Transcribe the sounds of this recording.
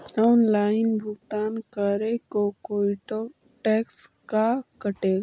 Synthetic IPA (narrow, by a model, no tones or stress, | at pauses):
ɔːnlaːɪnbʱʊkt̪aːnkəɾekokoːɪʈo | ʈɛːkskakəʈeːɡ